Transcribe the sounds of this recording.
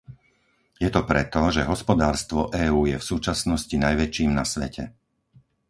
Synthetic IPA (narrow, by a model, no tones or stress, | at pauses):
jɛt̪ɔpɾɛt̪ɔʒɛɦɔspɔd̪aːɾst̪ʋɔʔɛːuːjɛfsuːt͡ʃasnɔscinajʋɛt͡ʃiːmnasʋɛcʰɛ